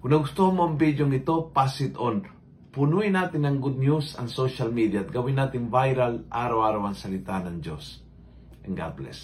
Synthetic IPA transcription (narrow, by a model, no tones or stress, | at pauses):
kʊnɐɡʊst̪omoʔɐmbid̪joŋɪt̪o̞pasɪt̪on | pʊnuɪnaːt̪ɪnɐŋɡud̪̚njusɐ̰ŋsoʃalmid̪jat̪̚ɡɐwɪnːaːt̪ɪŋvajɾalʔaːɾawaːɾawɐŋsɐlɪt̪anɐŋd͡ʒos | ʔɛŋɡa̰plɛ̰s